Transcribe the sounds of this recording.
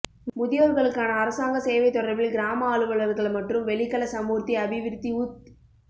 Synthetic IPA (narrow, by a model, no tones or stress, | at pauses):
mʊðɪjɐɾɣɐɭɯkːaːnɐːɾɐsaːŋɡɐseːʋɐɪt̪ːɔɾɐɪbɪlɡɪɾaːmɐaːɭɯʋɐɭɐɾɣɐɭmɐʈrɯmʋɛɭɪkːɐlɐsɐmuːɾt̪iɐbɪʋɪɾt̪ːiut̪